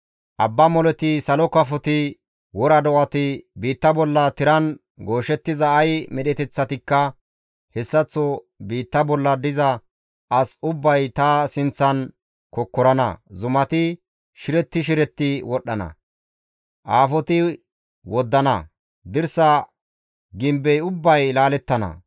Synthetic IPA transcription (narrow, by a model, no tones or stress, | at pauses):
ʔɐbːɐmɔlɛt̪ɪsɐlɔkɐfɔt̪ɪ | wɔɾɐd̪ɔwɐt̪ɪbiːt̪ːɐbɔlːɐt̪ɪɾɐn | ɡo̞ːʃɛt̪ːɪzɐːjmɛɗɛt̪ɛt͡sːɐt̪ɪkːɐ | hɛsːɐt͡sːɔ | biːt̪ːɐbɔlːɐd̪ɪzɐ | ʔɐsʊbːɐjt̪ɐsɪnt͡sːɐn | kɔkːɔɾɐnɐ̰zʊmɐt̪ɪ | ʃɪɾɛt̪ːɪʃ̬ɪɾɛt̪ːɪwɔɗːɐnɐ̰ | ʔaːfɔt̪ɪ | wɔd̪ːɐnɐ̰ | d̪ɪɾsɐ | ɡɪmbɛjʊbːɐjlaːlɛt̪ːɐnɐ̰